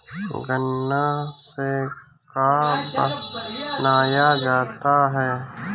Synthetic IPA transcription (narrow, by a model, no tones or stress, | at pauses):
ɡənːase | kab | naːjad͡ʒaːt̪aɦɛː